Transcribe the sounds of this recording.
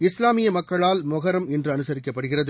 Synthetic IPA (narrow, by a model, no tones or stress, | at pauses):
ɪslaːmɪjɐmɐkːɐɭaːlmʊɣɐɾɐmɛndrɯɐnɯsɐɾɪkːɐpːɐɽɯɣɪrɐðɯ